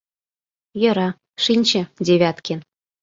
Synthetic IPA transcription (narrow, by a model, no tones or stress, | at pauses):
jɤ̆ɾɑ | ʂinʲt͡ɕɘ̆dʲeβʲɑt̪kʲen